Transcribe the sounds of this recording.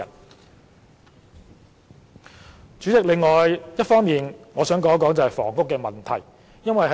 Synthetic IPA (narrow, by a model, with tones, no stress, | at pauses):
ɐ˨˩n | t͡ʃyː˨˥t͡sɪ˨k̚lɪ˨ŋːɔː˨˩jjɐ˥t̚fɔː˥ŋmiː˨nŋɔː˨˧sœː˨˥ŋkɔː˨˥ŋkɔː˨˥ŋt͡sɐ˨whɐ˨jfɔ̰ː˨˩ŋkʊ˥kːɛː˧mɐ˨˩nt̪ʰɐ˨˩j | jɐ˥nwɐ˨jɦɐ˨˦